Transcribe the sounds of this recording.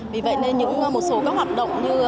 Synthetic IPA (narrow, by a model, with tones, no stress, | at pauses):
vi˨˩və̰˧˨jne˧nɲɨ̰˧˥ŋː˧mo˨˩t̚so˨˦kɔː˨˦k̚hwaː˨˩t̚ɗə̰˧˨wŋ͡mɲɨ˧